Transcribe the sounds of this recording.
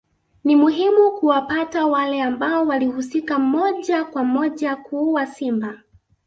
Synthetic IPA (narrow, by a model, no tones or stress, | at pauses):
nimuɦimukuwapatawalɛambaɔwalihusikamɔʄakwamɔʄakuwasimba